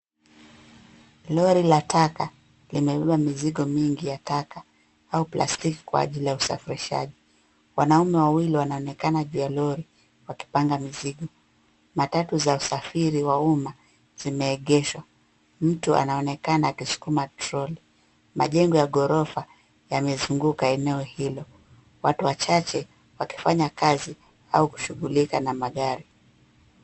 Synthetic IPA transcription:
lɔɾilatʰaka | limɛɓɛɓamiziɠɔmiŋɡijataka | auplʔa̰stiki̥kwa̰a̰ʄilijausa̰fiɾiʃa̰ʄi | wanaumɛwawiliwanaɔnɛkanaʄujalɔɾi | waki̥paŋɡamiziɠɔ | matatuzausafiɾiwauma | z̥imɛːɠɛʃwa | m̩tuʔa̰naɔnɛkanaakisu̥kumatɾɔli | ma̰ʄɛŋɡɔjaɠɔɾɔfa | jamɛzuŋɡukaɛnɛɔhilɔ | watuwat͡ʃat͡ʃɛ | waki̥faɲakazi | auku̥ʃuɠulikanamaɠaɾi

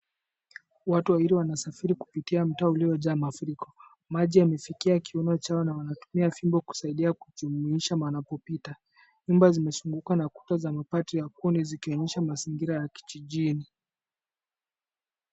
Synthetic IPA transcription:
watuwaiɾiwanasafiɾiku̥pitiam̩taːuliɔʄamafuɾikɔ̥ | maʄiamɛfikiakiɔnɔt͡ʃaɔnawanatu̥miafimbɔku̥saiɗiaku̥ʄumuiʃamanapɔpita | ɲumbazimɛsuŋɡukanaku̥tazamapatijak̚unizikiɔɲɛʃamaziŋɡiɾajaki̥t͡ʃiʄini

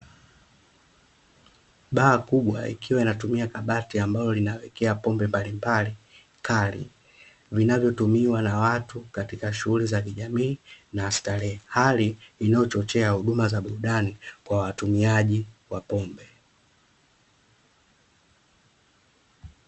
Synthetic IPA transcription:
ɓaːkuɓwa̰ḭkiwainatumiakaɓatiambalɔlinawɛkɛapɔmbɛmbalimbali | kʰalḭ | vinavjɔtumiwanawatukatikaʃuɣulizakiʄamiːnaːstalɛhaliinajɔt͡ʃɔt͡ʃɛahuɗumazaɓuɾuɗanikwawatumiaʄiwapɔmbɛ

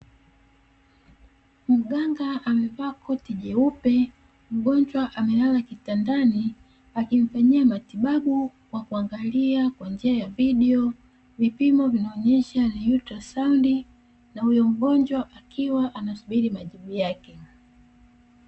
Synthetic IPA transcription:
m̩ɠaŋɡaːmɛvakʰɔtiʄɛupɛ | m̩ɡɔɲd͡ʒwaʔamɛlalakitandani | akiɱfaɲiamatiɓaɓu | wakuaŋɡaliakwand͡ʒiajaviɗɛɔ | vipimɔvinaɔɲɛʃanajutɾasaundi | nahujɔm̩ɡɔnd͡ʒwaʔakʰiwaʔanasuɓiɾimaʄiɓujakɛ

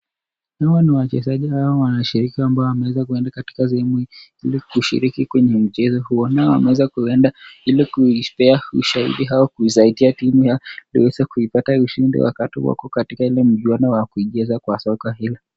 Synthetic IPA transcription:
hawaniwat͡ʃɛzaʄihawɔwanaʃiɾikiambaɔwamɛwɛzakuɛndakati̥kas̬ɛhɛmuilikuʃḭɾikikwɛɲɛm̩t͡ʃɛzɔhuɔnaɔwa̰mɛwɛzakuɛndailikuipɛaṵʃahḭɗiɦawɔkuizaitiatimujalḭwɛzakuipatauʃindḭwa̰katḭwa̰kɔkatikailɛm̩ʄwanawakuiʄɛzakwasɔkahilɔ

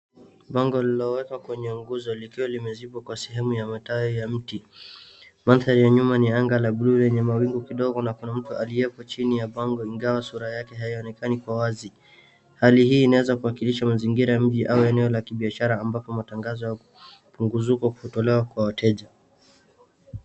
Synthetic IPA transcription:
ɓaŋɡɔlilɔwɛkakwɛɲɛuŋɡuzɔlikiwalimɛzipɔkwasɛɦɛmujamatajɔjam̩ti | manθaɾijaɲumaniaŋɡalaɓululɛɲɛmawiŋɡukiɗɔɡɔnakunam̩tualiɛpɔt͡ʃinijaɓaŋɡɔiŋɡawasuɾajakɛɦaiɔnɛkanikwawazi | halihiːnawɛzakuakiliʃamaziŋɡiɾajam̩ʄiʔauɛnɛɔlakiɓiaʃaɾaːmbapɔmataŋɡazɔja | puŋɡuzukɔku̥hutɔlɛwakwawatʰɛʄa

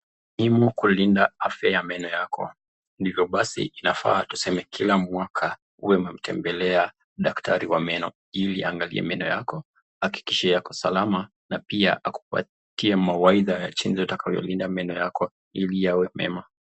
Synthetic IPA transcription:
himukulindaafjajamɛnɔjakʰɔ̰ | ndivjɔɓasḭːnafa̰ːtusɛmɛkʰilamwakʰa | uwɛmɛm̩tʰɛmbɛlɛa | ɗaktʰaɾiwamɛnɔ | iliaŋɡalḭɛ̰mɛnɔjakɔ | haki̥kiʃɛjakɔsalama | napia̰ʔaku̥ka̰ | tiɛmawaiðajat͡ʃinzɔatakajɔ̰lindamɛnɔjakɔ | ilijawɛmɛ̰ma

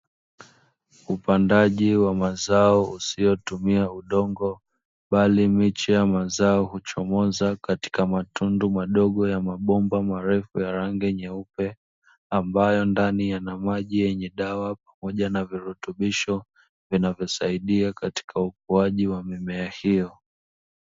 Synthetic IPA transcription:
upandaʄiwamazaɔusijɔtumiauɗɔŋɡɔ | ɓalimit͡ʃɛjamazaɔhut͡ʃɔmɔzakati̥kamatʰundumaɗɔɠɔjamaɓɔmbamaɾɛfujaɾaŋɡɛɲɛupɛ | ambajɔndanijanamaʄijɛɲɛɗawap̚amɔʄanaviɾutuɓiʃɔ | vinavjɔsaiɗiakati̥kʰauk̚uaʄiwamimɛahijɔ

